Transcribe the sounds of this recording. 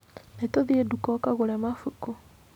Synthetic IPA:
netoðiedukɔkaɣulemafuko

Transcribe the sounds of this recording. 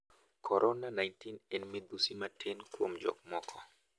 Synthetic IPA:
kʰɔɾʔɔnanajntinɛnmid̪usimatʰɛnkuomd͡ʒɔ̰k̚mɔkʰɔ

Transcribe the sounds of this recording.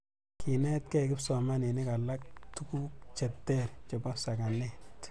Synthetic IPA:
kʰinɛt̚kɛkɪpsɔmanenikalak̚tukuk̚t͡ʃɛtːɛrt͡ʃɔpasakanɛt

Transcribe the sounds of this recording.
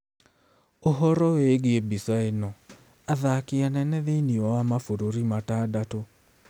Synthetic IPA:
oɦɔɾɔweɣeebisaenɔ | aðakeanɛnɛðeiniɔwamafoɾoɾimataːdato

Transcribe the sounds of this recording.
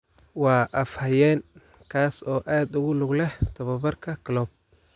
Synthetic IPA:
wɑːʔɐfhɐjɛːn | kʰaːsɔːʔaːd̪ʊɣʊlʊɡlɛht̪ʰɐβɐbɐrkʰɐkʰɐlɔːb̚

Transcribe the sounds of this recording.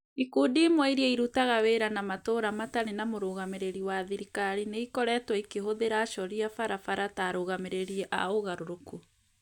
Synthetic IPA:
ikuːdiːmwɛiɾiɛiɾutaɣaweɾanamatoɾamataɾenamoɾoːɣameɾeɾiwaðiɾikaɾineikɔɾɛtwaikeɦoðeɾaʃɔɾiafaɾafaɾataːɾoɣameɾeɾiɛʔa̰oɣaɾoɾoku

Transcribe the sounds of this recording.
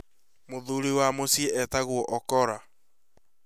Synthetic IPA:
moðuɾiwamosieɛtaɣwɔʔɔkɔɾa

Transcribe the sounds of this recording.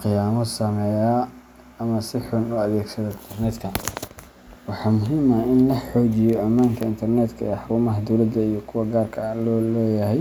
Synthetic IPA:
qɪjaːmɔsɐmɛjaː | mɐsɪħʊnʊɐðɛːɡsɐðɔɪnt̪ʰɛrnɛd̪kʰɐ | wɑħɑːmʊɦiːmɐʔɪnlɐħɔːt͡ʃɪjɔʔɐmaːŋkʰɐɪnt̪ʰɐrnɛːd̪kʰɐɛːħɾʊːmɐɦɐd̪ɔwlɐd̪ɐijɞkʰʊwɐɡaːrkʰɐlɔːlɛːjɐɦɛj

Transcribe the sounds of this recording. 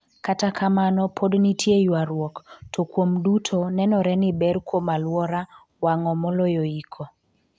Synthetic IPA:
katakʰamanɔpʰodnitʰjejwaɾwɔktʰɔkwomdutʰonɛnɔɾɛnɪbɛɾkwomalwɔɾa | waŋɔmɔlojoikʰo

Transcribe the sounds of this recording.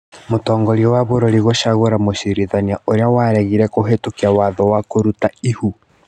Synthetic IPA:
motɔːŋɡɔɾiɔwaβoɾɔɾiɣoʃaɣoɾamoɕiɾiðaniaʔoɾeawaɾɛɣiɾɛkoɦetokiawaðɔwakoɾutaihu

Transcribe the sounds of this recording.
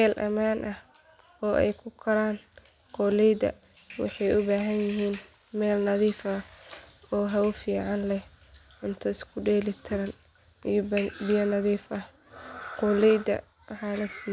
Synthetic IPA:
mɛːlʔɐ̰maːnʔɐh | ɔːʔɛ̰jkʰʊkʰɐɾaːn | qɔːlɛjdɐ̰ | wɑ̰ħɑjʔʊbaːɦɐnjɪɦiːn | mɛːlnɐðiːfɐ | ɔːɦɐwfiːʕɑnlɛh | ʕʊnt̪ʰɐɪskʰʊɖɛːlɪt̪ʰɐɾɐn | ijbɪjɐnɐðiːfɐh | qɔlɛjd̪ɐ̰ | ʕaːlɐs

